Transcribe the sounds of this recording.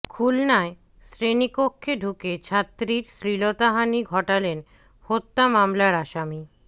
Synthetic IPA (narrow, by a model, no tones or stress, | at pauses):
kʰulnae | sɾenikokʰːeɖʱuket͡ɕʰat̪ːɾiɾsɾilot̪aɦaniɡʱɔʈalen | hot̪ːamamlaɾaʃami